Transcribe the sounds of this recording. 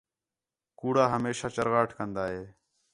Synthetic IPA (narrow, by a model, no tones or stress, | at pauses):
kuːɽaːɦəmeːʃaːt͡ʃəɾɣaːʈʰkənd̪aːɦeː